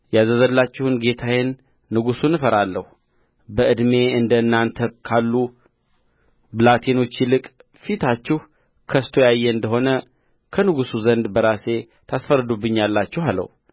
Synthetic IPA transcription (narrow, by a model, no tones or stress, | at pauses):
jazəzəlːat͡ʃːɪhɨnɡe̞t̪ʰajɪnː | ɨɡusunɨfəɾalːəhu | bəʔɨd̪me̞ɨnd̪ənːant̪ʰəkʰalːu | bɨlat̪ʰeno̞t͡ʃːɪlɨkʼ | fit̪ʰat͡ʃːɪhu | kʰəst̪ʰo̞jajːɛɨnd̪əɦo̞nə | kʰənɨɡusuzənd̪bəɾase̞ | t̪ʰasfəɾɨd̪ubɨɲːalːat͡ʃːɛhalə̰hu